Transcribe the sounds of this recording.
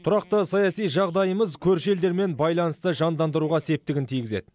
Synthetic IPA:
t̪ʰʊɾɑq̚t̪əsɑjɑsijʒɑʁd̪ɑjəməzkʲʰɵɾʃe̞ld̪e̞ɾme̞nbɑjlˠɑnəst̪əʒɑnd̪ɑnd̪əɾuʁɑse̞p̚t̪ɪɡʲɪnt̪ʰijɡʲɪze̞̰d̪

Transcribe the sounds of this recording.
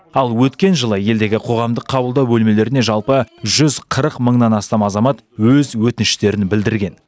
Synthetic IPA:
ɑlˠwɵt̪kʲe̞nʒəlˠəje̞ld̪e̞ɡʲɪqʰo̞ʁɑmd̪əqʰːɑbəlˠd̪ɑwbɵlme̞le̞ɾɪne̞ʒɑlˠpəʒʏzqʰəɾəqməɴnɑnɑst̪ɑmɑzɑmɑt̪ | wɵzwɵt̪ɪnɪʃt̪e̞ɾɪnbɪld̪ɪɾɡʲe̞n

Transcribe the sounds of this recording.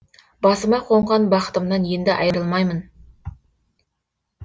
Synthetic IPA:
bɑsəmɑqʰo̞ɴʁɑnbɑqə̥t̪əmnɑnje̞nd̪ɪʔɑ̰jəɾəlˠmɑjmən

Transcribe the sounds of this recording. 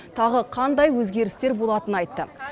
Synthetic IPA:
t̪ʰɑʁəqʰɑnd̪ɑjwɵzɡʲe̞ɾɪst̪e̞ɾbolˠɑt̪ənɑjt̪ːə

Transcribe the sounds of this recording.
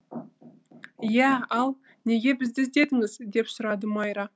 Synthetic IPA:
jæɑlˠ | ne̞ɡʲe̞bɪzd̪ɪzd̪e̞d̪ɪŋɪzd̪e̞psʊɾɑd̪əmɑjɾɑ

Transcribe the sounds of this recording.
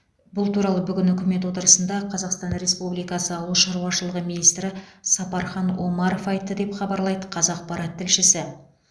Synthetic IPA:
bʊlˠt̪uɾɑlˠəbʏɡʲɪnʏkʲɪme̞t̪̬wo̞t̪əɾəsənd̪ɑqʰɑzɑqst̪ɑnɾe̞spublijkɑsəɑwlˠəʃɑɾuwɑʃəlˠəʁəminijst̪ɾɪsɑpɑɾχɑnwo̞mɑɾofɑjt̪ːəd̪e̞pχɑbɑɾlˠɑjd̪əqʰɑzɑq̚pɑɾɑt̪ʰːɪlʃɪsɪ

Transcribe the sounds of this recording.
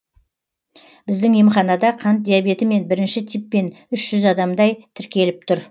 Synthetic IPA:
b̥ɪzd̪ɪŋjemχɑnɑd̪ɑqʰɑnt̪̚d̪ijabe̞t̪ɪme̞nbɪɾɪnʃɪt̪ʰipːe̞nʏʃʒ̥ʏzɑd̪ɑmd̪ɑjt̪ʰɪɾkʲe̞lɪp̚t̪ʰʊɾ

